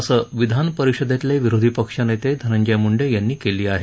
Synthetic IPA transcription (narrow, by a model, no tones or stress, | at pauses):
əsəʋid̪ʱanpəɾikʂəd̪at̪leʋiɾod̪ʱipəkʂanejt̪ed̪ʱənəɲd͡ʑamuɳɖejanːiːkeliːaɦe